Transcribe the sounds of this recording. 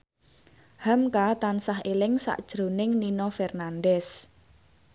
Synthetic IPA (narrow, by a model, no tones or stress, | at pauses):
hamkat̪ansaɦelɪŋsa̰ʔd̥ʒ̥ɾo̤nɪŋninɔfɛrnanɖɛs